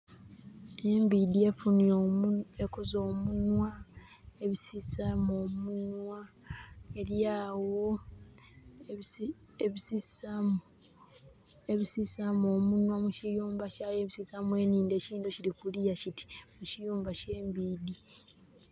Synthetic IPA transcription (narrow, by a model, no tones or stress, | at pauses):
e̞mbiːdie̞funijoekozo̞ːmunwa | eβisisamoːmunwa | eɾjaːwo̞ | eβisisamu | eβisisamo̞ːmunwamucijuːmbacajeβisisamwe̞ːniːnde̞ːciːndo̞ciɾikulijaciti̥mucijuːmbace̞ːmbiːdi